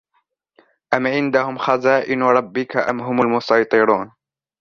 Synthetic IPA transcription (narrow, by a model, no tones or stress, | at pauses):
ʔamʕɪnd̪ahʊmxazaːʔɪnɾˤɑbːɪkaʔamɦʊmalmʊsɑjt̪ˤɨɾˤuːn